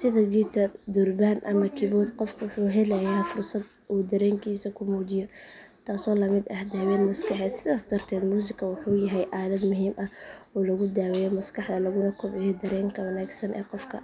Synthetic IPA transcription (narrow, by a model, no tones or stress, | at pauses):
sɪðɐd͡ʒiːt̪ʰɐd̪ʊrbaːnʔɐmɐkʰɪβɔːd̪qɔfkʰʊwʊħuːɦɛlɐjaːfʊrsɐd̪ | ʔuːd̪ɐɾɛːŋkʰiːsɐkʰʊmuːd͡ʒɪjɔt̪ʰaːsɔːlɐmɪd̪ɐhd̪aːwɛːnmɐskʰɐħɛːd̪sɪðaːsd̪ɐrt̪ʰɛːd̪muːs̬ɪkʰɐwʊħuːjɐɦɛjʔaːlɐd̪mʊɦiːmʔɐh | ɔːlɐɣʊd̪aːwɛjɔmɐskʰɑħd̪ɐlɐɣʊnɐkʰɔbɛjɔd̪ɐɾɛːŋkʰɐwɐnaːɡsɐnʔɛ̰ːqɔfkʰɐ̰